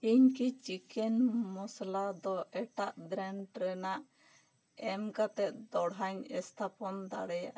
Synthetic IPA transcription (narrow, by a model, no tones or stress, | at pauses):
iɲkit͡ʃikɛnmɔslad̪ɔʔɛʈaʔd̪ɾɛnʈɾɛnaʔ | ɛmkat̪ɛt̪̚d̪ɔɽɦaɲɛst̪ʰapɔnd̪a̰ɽɛjaʔ